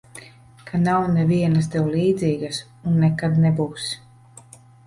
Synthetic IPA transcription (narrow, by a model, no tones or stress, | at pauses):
kʰanawnɛviɛnɐs̬d̪ɛwlˠiːd̪zʲiːɡas | unːɛkad̪nɛbuːs